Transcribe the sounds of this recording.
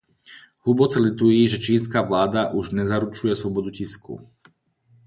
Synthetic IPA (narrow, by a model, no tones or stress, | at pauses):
hubɔt͡sɛlit̪ujiːʒɛt͡ʃiːnskaːʋlaːd̪aʔuʒɲɛzaɾut͡ʃujɛslɔbɔd̪uciskṵ